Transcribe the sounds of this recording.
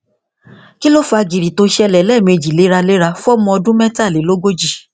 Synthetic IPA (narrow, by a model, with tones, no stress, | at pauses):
ki˦lo˦fa˧ɡi˨ɾi˨to˧ʃɛ˧lɛ˨lɛ˦˨mĩ˧e˧˨d͡ʒi˨le˨˦ɾa˧le˦ɾa˧fu˦ɔ˦mɔ̃˧ɔ˧dũ˦mɛ̃˦ta˦˨le˨˦lo˦ɡo˦d͡ʒi˦˨